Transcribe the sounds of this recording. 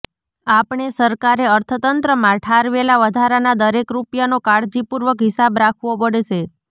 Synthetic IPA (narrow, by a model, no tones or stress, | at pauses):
apɳesəɾkaɾeəɾt̪ʰət̪ənt̪ɾəmãʈʰaɾʋelaʋəd̪ʱaɾanad̪əɾekɾupjanokaɽd͡ʒipuɾʋəkɦɪsabɾakʰʋopəɽeʃe